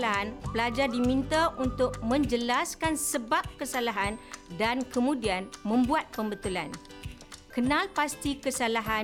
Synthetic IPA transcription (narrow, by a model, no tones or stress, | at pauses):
laɦanpəlad͡ʒardimĩnt̪aʔunt̪ʊk̚mə̃ɲd͡ʒəlaskansəbap̚kəsalaɦandankəmũdianmə̃mbuat̪̚pəmbət̪ulan | kənãlpast̪ikəsalaɦa